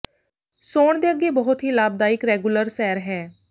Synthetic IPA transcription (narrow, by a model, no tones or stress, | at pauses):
soːɳd̪eːəɡeːbəɦʊt̪ɦiːlaːb̚d̪aːɪkɾɛːɡuləɾsɛːɾɦɛː